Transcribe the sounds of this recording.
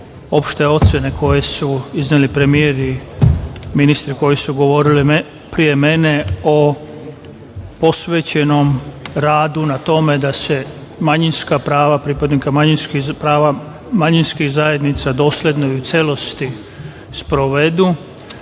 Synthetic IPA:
o̞pʃt̪eo̞t̪sʲje̞ne̞ko̞je̞suiznelipɾe̞mijeɾi | minist̪ɾiko̞jisuɡo̞ʋo̞ɾili | pɾije̞me̞ne̞o | po̞sʋeːt͡ɕe̞no̞mɾaːd̪unat̪o̞med̪ase̞ | maɲinskapɾaːʋapɾipad̪nikamaɲinspɾaːʋa | maɲinskixzaje̞d̪nit̪sad̪o̞ːslʲe̞d̪no̞iut̪sʲje̞lo̞st̪i | spɾo̞ʋed̪u

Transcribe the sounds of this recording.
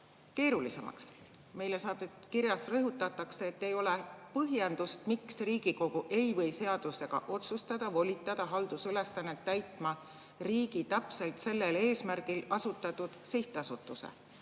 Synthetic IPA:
ke̞ːɾulise̞mʔɑ̰ks | me̞jle̞sɑːd̪et̪kiɾjɑsrɤɦut̪ːˑɑt̪ːˑɑkseːt̪ːe̞jo̞le̞pɤɦjend̪̥ust̪miksriːɡ̥iko̞ɡ̥uʔe̞jvɤ̞jse̞ɑd̪̥use̞ɡ̥ɑ̰ʔo̞t̪sust̪ɑd̪̥ɑvo̞lʲit̪ˑːɑd̪̥ɑɦɑld̪̥usyle̞sːɑnːe̞t̪ːæjt̪ˑmɑ | riːɡ̥it̪æpse̞lt̪se̞lːe̞le̞ːsmærɡ̥ilɑsut̪ːˑɑt̪ːud̪̥siht̪ˑɑsut̪ːˑusḛ

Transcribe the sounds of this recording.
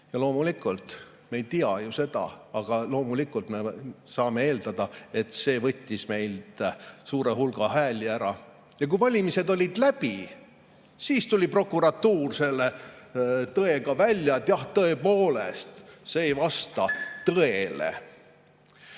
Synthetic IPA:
jɑlo̞ːmulikˑult̪ | mejt̪iɑjuse̞d̪̥ɑ̰ɑɡ̥ɑlo̞ːmulikːˑult̪me̞sɑːme̞e̞ːld̪̥ɑd̪̥ɑe̞t̪ˑse̞ːvɤ̞t̪ʲːisme̞jld̪̥suːɾe̞ɦulɡ̥ɑhæːlʲiæɾɑ | jɑk̬ujvɑlʲimise̞d̪o̞lʲid̪læbi | siːst̪ulʲipro̞kːuɾɑt̪ːuːrse̞lːe | t̪ɤe̞ɡ̥ɑvælʲːjɑt̪jɑht̪ɤe̞po̞ːlest̪seːjvɑst̪ɑt̪ɤe̞lḛ

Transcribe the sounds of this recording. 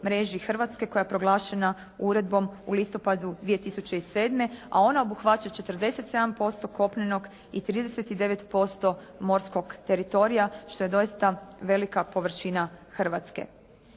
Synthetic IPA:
mɾe̞ʒixr̩ʋat̪ske̞ko̞japɾo̞ɡlˠaːʃe̞na | uɾe̞d̪̚bo̞mulist̪o̞pad̪ud̪ʋije̞t̪isut͡ɕe̞iseːd̪me̞a̰o̞nao̞buxʋat͡ɕat͡ʃe̞t̪r̩d̪e̞se̞t̪se̞d̪ampo̞st̪o̞ko̞pneno̞ɡ | it̪ɾiːd̪e̞se̞t̪id̪e̞ʋe̞t̪po̞st̪o̞mo̞ɾsko̞ɡt̪e̞ɾit̪o̞ɾijaʃt̪o̞je̞d̪o̞jist̪aʋe̞likapo̞ʋr̩ʃinaxrʋat̪ske̞̰

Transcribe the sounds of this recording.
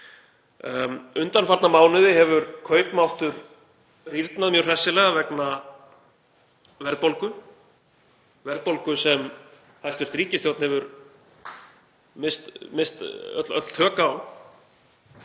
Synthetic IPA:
ʏnt̪anfaɾt̪namaːwnʏðɪhɛvʏɾkʰœːɥt̪mawht̪ʏɾ | riɾt̪naðmjœwr̥ɛsɪlɛːɣavɛkna | vɛɾðpolkʏ | vɛɾðpolkʏsɛm | θajst̪fɛɾ̥t̪ɾiːcɪsθjowt̪nhɛvʏɾ | mɪst̪mɪst̪œ̰t̪lœ̰t̪l̥t̪ʰœːkaːw

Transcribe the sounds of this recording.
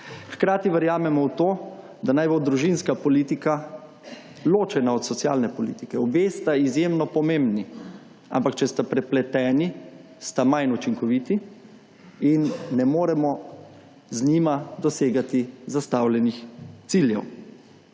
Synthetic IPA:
xkɾaːt̪iʋɛɾjaːmɛmɔwt̪oː | d̪anajbod̪ɾuʒinskapɔlit̪ika | loːt͡ʃɛnaɔt̪sɔt̪sjaːlnɛpɔlḭt̪ikɛɔbest̪aizjemnɔpɔmẽmbni | a̰mpakt͡ʃɛst̪apɾɛplɛt̪ɛːni | st̪amajnut͡ʃiŋkɔʋit̪i | inːɛmoːɾɛmɔ | znimad̪ɔseːɡat̪izast̪awlʲɛnixt̪siljɛ̰w

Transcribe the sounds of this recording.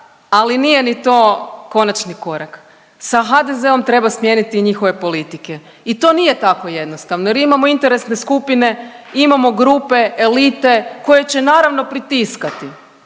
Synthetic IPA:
alinije̞nit̪o̞ːko̞nat͡ʃniko̞ɾak | saxad̪e̞ze̞o̞mt̪ɾe̞basmjenit̪iɲixo̞ʋe̞po̞lit̪ike̞ | it̪o̞nije̞t̪ako̞je̞d̪nost̪aʋnojeɾimamo̞int̪e̞ɾe̞sne̞skupine̞imamo̞ɡɾupe̞elit̪e̞ko̞je̞t͡ɕe̞naːɾaʋno̞pɾit̪iskat̪i

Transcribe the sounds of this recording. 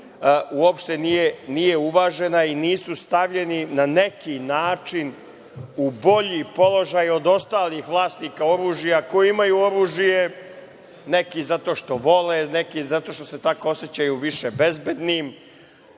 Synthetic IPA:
uopʃt̪e̞nijenije̞uʋaːʒe̞nainiːsust̪aʋʎe̞ninane̞kinaːt͡ʂin | ubo̞ʎipo̞lˠo̞ʒajo̞d̪o̞st̪aːlixʋlˠaːst̪niːkao̞ɾuːʒijakojiimajuo̞ɾuːʒije̞ | nekizat̪o̞ʃt̪o̞ʋo̞lenekizat̪o̞ʃt̪o̞se̞t̪akooset͡ɕajuʋiʃebezbe̞d̪nim

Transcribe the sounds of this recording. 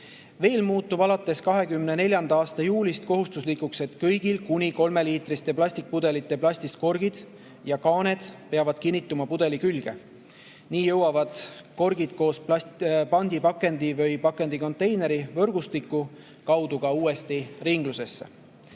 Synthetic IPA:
ve̞ːlmuːt̪ːub̥ɑlɑt̪ːˑe̞skɑɦe̞kymne̞ne̞lʲjɑnd̪ɑɑːst̪ɑjuːlist̪̚ko̞ɦust̪uslikːukse̞t̪kɤjɡ̥ilkunʲiko̞lme̞liːt̪rist̪eplɑsʲt̪ik̚pud̪e̞lit̪ˑːe̞plɑsʲt̪ist̪̚ko̞rɡ̥id̪̥ | jɑkɑːne̞d̪̥pe̞ɑvɑd̪̥̚kinʲːit̪ːˑumɑpud̪e̞likylɡ̥e̞̰ | niːjɤwɑvɑd̪̥ko̞rɡ̥id̪̥ko̞ːspɑpɑnʲd̪̥ipɑkːe̞nd̪̥ivɤjpɑkːˑe̞nd̪̥iko̞nt̪ːe̞jne̞ɾivɤ̞rɡ̥ust̪ikːˑu | kɑwd̪̥uɡ̥ɑuːe̞st̪iriŋɡ̥luse̞sːḛ

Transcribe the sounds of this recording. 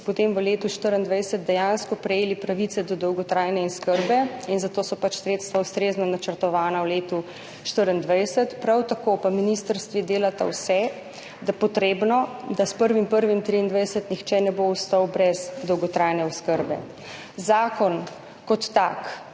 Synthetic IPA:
pɔt̪emʋəleːt̪uʃt̪əɾənd̪ʋajsəd̪̚d̪ɛjanskɔpɾɛjeːlipɾaʋit̪sɛd̪ɔd̪ɔwɡɔt̪ɾajnɛinskəɾbɛinzat̪oːsɔpat͡ʃsɾeːt̪st̪ʋaust̪ɾeːznɔnat͡ʃəɾt̪ɔʋaːnawleːt̪u | ʃt̪əɾənd̪ʋajsət̪pɾawt̪akopaminist̪əɾst̪ʋid̪eːlat̪a̰wsɛ | d̪apɔt̪ɾeːbnɔd̪aspəɾʋimpəɾʋimt̪ɾiind̪ʋajsət̪nixt͡ʃɛnɛboust̪ɔwbɾɛzd̪ɔwɡɔt̪ɾajnɛɔskəɾbɛ̰ | zaːkɔn | kɔt̪ːa̰k

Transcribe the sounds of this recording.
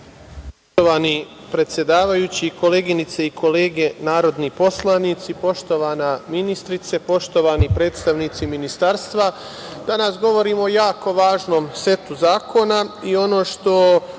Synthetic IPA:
ppooʋaːni | pɾe̞t̪sje̞d̪aːʋajut͡ɕiko̞le̞ːɡinit̪seikʰo̞le̞ːɡe̞naːɾo̞d̪nipo̞slˠaniːt̪sipo̞ʃt̪o̞ʋanaminist̪ɾit̪se̞po̞ʃt̪o̞ʋaːnipɾeːt̪st̪aʋniːt̪siminist̪aːɾst̪ʋa | d̪̥anasɡo̞ʋo̞ɾiːmojaːko̞ʋaːʒno̞ːmse̞t̪uzaːkʰo̞naio̞no̞ːʃt̪o̞

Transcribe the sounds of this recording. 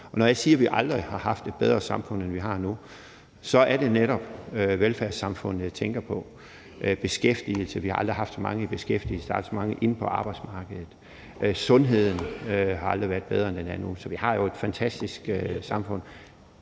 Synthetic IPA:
ɒ̽nɒjɑ̈ɪsiːɐʋiʔɑ̈ld̥ʁihɑ̈hɑ̈fd̥e̝d̚b̥eð̞ˠʁɐsɑ̈mfɔ̽n̰enʋiɦɑ̈nu | sɒ̽æɐɾ̥e̝neɾɒ̽b̥øʋelfæɐsɑ̈mfɔ̽n̰ð̩ˠt͡sʰeŋɡ̥ɐpʰɒ̽ | ʔb̥e̝sɡ̥efd̥il̩səʋihɑ̈ɑ̈ld̥ʁiɦɑ̈fd̥sɒmɑ̈ŋəib̥e̝sɡ̥efd̥ḭl̩səd̥ɑ̥̈sɒmɑ̈ŋəʔe̝n̩pʰɒ̽ʔɑ̈ːb̥ɑ̈ɪd̥smɑ̈ːɡ̥əð̩ˠð̩ˠ | ʔsɔ̽nɦe̝ð̞̰ˠn̩øɦɑ̈ɑ̈ld̥ʁiʋæːɐd̥beðˠɐend̥enænusɒ̽ʋihɑ̈jo̝e̝d̥fænt͡sʰæsd̥isɡ̥øsɑ̈mfɔ̽n̰

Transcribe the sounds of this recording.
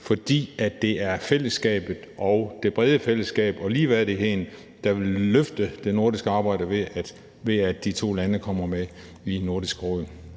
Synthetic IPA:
fɒ̽d̥ḭːæd̥ːe̝æɐfel̰əsɡ̥ɛ̰ːb̥ð̩ˠʔɒʊd̥e̝b̥ʁɛð̞ˠəfel̰əsɡ̥ɛ̰ːb̥ɒ̽liːʋæðd̥eɦhen | d̥ɑ̈ʋe̝lːøfd̥əd̥e̝no̝ɐd̥isɡ̥əɑ̈ːbɑ̈ɪ̰d̥əʋe̥ | ʋe̝æd̥ːit͡sʰo̝̰ːlænəkʰɒ̽m̰ɐme | ino̝ɐd̥isɡ̥əʁɔð̰

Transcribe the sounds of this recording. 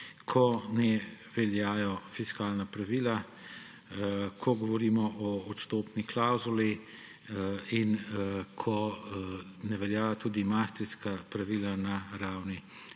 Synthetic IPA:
kʰɔnɛʋɛljaːjɔfiskaːlnapɾaʋiːla | kʰɔɡɔʋɔɾiːmɔʔɔːt̪st̪oːpniklawzuli | inkʰɔ | nɛʋɛljaːjɔt̪uːd̪imaːst̪ɾiskapɾaʋiːlanaɾaːwni

